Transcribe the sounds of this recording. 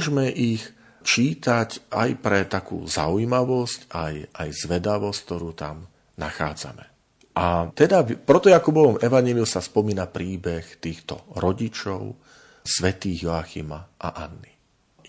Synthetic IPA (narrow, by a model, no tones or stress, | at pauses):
ʒmɛʔix | t͡ʃiːt̪aca̰jpɾɛt̪akṵːza̰ujimaʋɔscajʔajzʋɛd̪aʋɔsck̚t̪ɔɾuːt̪a̰m | naxa̰ːd͡za̰mɛ | ʔat̪ɛd̪apɾɛt̪ɔjakubɔʋɔmɛʋaɲɪɛliumsaspɔmiːnapɾiːbɛxt̪iːxt̪ɔ̰ɾɔɟit͡ʃɔʊ | sʋɛt̪iːɣjɔaxḭmaʔa̰ʔanːi